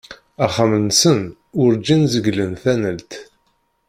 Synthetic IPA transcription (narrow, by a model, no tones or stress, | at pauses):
æχamənsən | ʊɾd͡ʒinzəɡlənθænəlt̪